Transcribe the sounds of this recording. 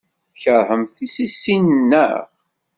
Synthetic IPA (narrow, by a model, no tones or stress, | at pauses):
çəɾˤhəmθisisːinnːə̰